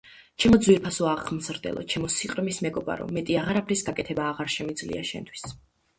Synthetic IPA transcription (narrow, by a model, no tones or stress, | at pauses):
t͡ʃʰɛmɔd̪zwiɾpʰasɔaʁmzɾd̪ɛ̰lˠʔɔ̰t͡ʃʰɛmɔsiqʼɾmismɛɡɔba̰ɾɔ̰mːɛt̪ʼiaʁaɾapʰɾisɡakʼɛt̪ʰɛbaːʁaɾʃɛmid̪zlḭa̰ʃɛ̰nt̪ʰwi̥s